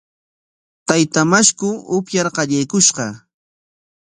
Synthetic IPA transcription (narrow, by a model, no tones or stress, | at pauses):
t̪ajt̪amaʃkʊʊpjaɾqɑʎajkʊʃɢɑ